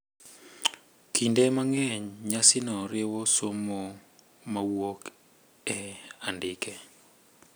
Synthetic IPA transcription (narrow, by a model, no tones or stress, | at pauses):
kʰindemaŋɛɲɲasɪnɔɾɪwosomo | mawok | ɛandɪkɛ